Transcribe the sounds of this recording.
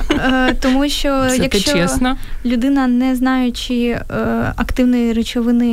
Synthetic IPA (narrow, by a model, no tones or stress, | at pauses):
t̪ɔmuʃt͡ʃɔjɐkt͡ʃɔɛsnɐlʲʊd̪ɪnɐnɛznɑjʊt͡ʃi | ɐkt̪ɪwnɔjiɾet͡ʃɔʋɪnɪ